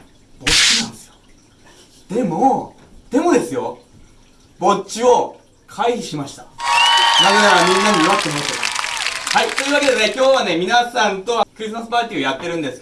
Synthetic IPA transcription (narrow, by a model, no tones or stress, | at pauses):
b̥o̞t͡ɕːinãnd̪esɨjo̥ | d̪̥e̞mo̞ | d̪̥e̞mo̞d̪e̞sɨjo̞ | bo̞t͡ɕɕio̞ | kʰaiɾʲiɕimaɕi̥t̪ḁ | naɡaaɾaɲ̟ĩŋɡẽ̞ɲʲːiiat̪ːeɦoːt̪o | hait̪o̞jiɯβaked̪e̞nekʲo̞ːβane̞mʲinasãnt̪o̞kɯɾʲis̬ɨmasɨ̥paːt̪ʲiːo̞jat̪ːe̞ɾɯ̟̃nd̪e̞sɨ̥